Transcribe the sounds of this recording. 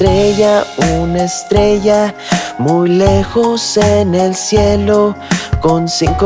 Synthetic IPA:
ɾeʝaunaest̪ɾeʝamujlexosenelsjelokonsiŋk

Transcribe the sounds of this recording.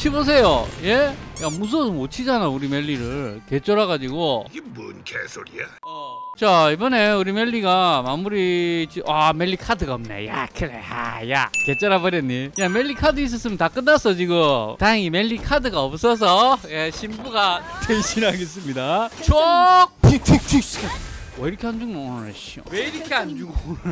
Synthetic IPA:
t͡ɕʰibos̬ʰe̞joje̞jamus̬ʰɯomot͡ɕʰid͡ʑanauɾime̞ʎːiɾɯɭke̞t͡ɕ͈ʌɾaɡad͡ʑiɡoɡemɯnkʰesʰoɾiaʌt͡ɕaibʌne̞uɾime̞ʎːiɡamamuɾit͡ɕiʔame̞ʎːikʰadɯɡaʌmnḛja̰kʰɯɾḛha̰ja̰ket͡ɕ͈aɾabʌɾjʌnːijame̞ʎːikʰadɯis̬͈ʌs͈ɯmjʌntak͈ɯnːas͈ʌd͡ʑiɡotaŋimeʎːikʰadɯɡaʌp̚s͈ʌs̬ʰʌjeɕʰimbuɡatʰeɕʰiɾaɡes͈ɯmɲidat͡ɕʰok̚pʰitʰitʰ | wʌiɾʌkʰeɦand͡ʑuŋmoŋnaɕio̰weiɾʌkʰeaɲd͡ʑuɡo

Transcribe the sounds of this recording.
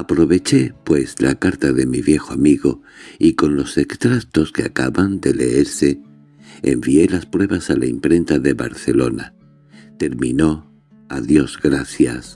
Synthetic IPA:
apɾo̞βe̞t͡ʃe̞pwe̞sla̰kaɾt̪aðe̞miβje̞xoamiɣo̞iko̞nlo̞se̞kst̪ɾakt̪o̞skea̰kaβand̪e̞le̞eɾse̞̰ː | mbie̞laspɾwe̞βasalaimpɾe̞nt̪aðe̞βa̰ɾθe̞lo̞na | t̪e̞ɾmĩno̞ | aðjo̞zɣɾaθjas

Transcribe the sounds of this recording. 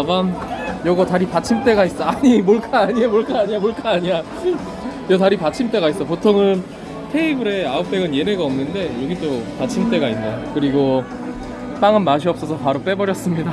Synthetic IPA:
banjʌɡʌtaɾipat͡ɕʰimt͈e̞ɡais͈ʌaɲimoɭk͈ʰaːɲiamoɭk͈aaɲiamoɭk͈ʰaːɲia | jʌtaɾipat͡ɕʰimt͈e̞ɡais͈ʌpotʰoŋɯn | tʰe̞ibɯɾe̞aɯp̚t͈eɡɯnje̞neɡaʌmnɯnde̞jʌɡit͈opat͡ɕʰimt͈e̞ɡainːakɯɾiɡo | p͈aŋɯnmaɕ̬ʰiʌp̚s͈ʌsʰʌpaɾop͈e̞bʌɾjʌs͈ɯmɲida

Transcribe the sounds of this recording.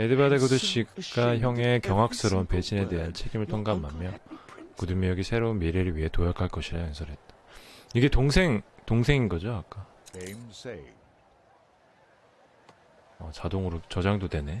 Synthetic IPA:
edebadeɡodɯɕʰiɡaçjʌŋe̞kjʌŋɦak̚s͈ɯɾʌmpe̞d͡ʑʰine̞de̞ɦant͡ɕʰeɡimɯɭtʰoŋɡamamjʌkudumijʌɡisʰe̞ɾounmiɾeɾɯɭɥiɦe̞tojʌkʰaɭk͈ʌɕʰiɾaɦʌnsʰʌɾɦe̞t̚t͈ḁiɡe̞toŋsʰe̞ŋtoŋsʰe̞ŋinɡʌd͡ʑoak͈a | emse | ʌt͡ɕadoŋɯɾot͡ɕʌd͡ʑaŋdode̞ne̞

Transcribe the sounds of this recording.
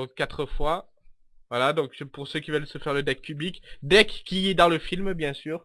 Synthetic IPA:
kːat̪χəfwa | vwalad̪ɔ̃kpuʁsøkʲivœlsəfɛʁləd̪ɛk̚pyblikd̪ɛkːiːd̪ɑ̃ləfilmbjɛ̃syːʁ

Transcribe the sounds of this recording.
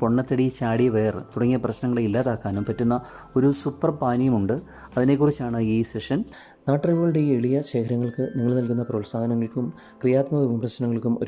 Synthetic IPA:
po̞ɳːɐt̪ːɐɽit͡ɕaːɽiʋe̞ːrt̪uɽɐŋːijɐprɐɕnɐŋːɐɭeilːaːt̪aːkːaːnumpɐtːunːɐ | o̞ɾusupːɐrpaːnijɐmuɳɖɨ | ɐðine̞k̬ːurit͡ɕːaːɳɨiːseʂɐn | naːʈːɐriʋoːɭɽeieɭijɐɕe̞ːkʰɐɾɐŋːɐɭkɨniŋːɐɭnɐlkunːɐprɐːlsaːɡɐnɐŋːɐɭkʲum | krijaːt̪mɐʋiʋibrɐɕnɐŋːɐɭkʲːumʔo̞̰

